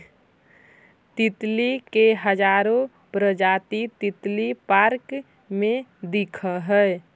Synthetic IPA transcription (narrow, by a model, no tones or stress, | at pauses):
t̪it̪likeɦəd͡ʒaɾo | pɾəd͡ʒat̪it̪it̪lipaɾk | mẽd̪ikʰəɦəe